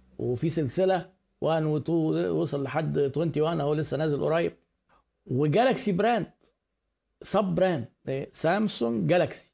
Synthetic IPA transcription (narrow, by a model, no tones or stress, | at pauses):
wefiːselselæ | wʔænwet̪uwesˤɑlːeħad̪ːt̪went̪iwænæhowːælesːænæːzelʔo̰ɾˤɑːjeb̚ | weɡælæksibɾænd̪ | sˤɑb̚bɾænd̪sæmsoŋɡɡælæksi̥